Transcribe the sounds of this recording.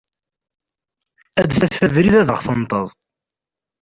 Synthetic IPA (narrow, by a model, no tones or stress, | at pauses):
æd̪θæfævɾiðæðəʁθənt̪ˤə̰ðˤ